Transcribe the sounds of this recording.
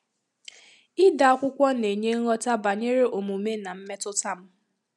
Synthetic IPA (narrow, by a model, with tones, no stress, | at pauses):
ɪ˦da˨ɔ˦kʷʊ˦kʷɔ˦ne˨ɲe˦ŋɔ˦ta˦ba˨ɲe˦ɾe˦ʔo˨mu˨me˦na˨m̩˦me˦tʊ˦ta˦m̩˦